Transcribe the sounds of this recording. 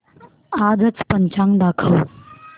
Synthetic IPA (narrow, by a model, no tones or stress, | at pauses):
ad͡zət͡spəɲt͡ɕʰãŋd̪akʰəw